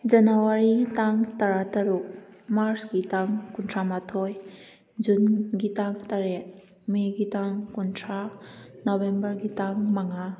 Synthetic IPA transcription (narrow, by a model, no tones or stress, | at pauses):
d͡ʒɐnawaɾitaŋtɐɾatɐɾuk̚maɾsɡitaŋkuntʰamatʰoj | d͡ʒunɡitaŋtaɾe | meɡitaŋkuntʰɾanobembɐɾɡitaŋmaŋa